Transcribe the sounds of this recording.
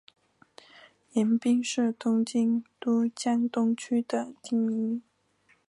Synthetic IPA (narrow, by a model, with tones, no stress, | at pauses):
jɛ˧˥npi˥ŋʂɻ̩˥˩t̪ʊ˥ŋt͡ɕi˥ŋt̪u˥t͡ɕjɑ˥nt̪ʊ˥ŋt͡ɕʰy˥d̪ə˨t̪i˥˩ŋi˧˥